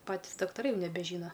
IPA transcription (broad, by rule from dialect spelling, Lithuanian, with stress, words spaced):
ˈpɑːtʲiːs dɐktɐˈrɐɪ nʲɛbʲɛˈʒʲiːnɐ